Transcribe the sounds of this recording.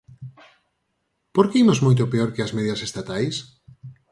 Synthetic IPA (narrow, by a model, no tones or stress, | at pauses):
poɾkeimozmojt̪̬opeoɾkeɐsmɛðjɐsest̪at̪ajs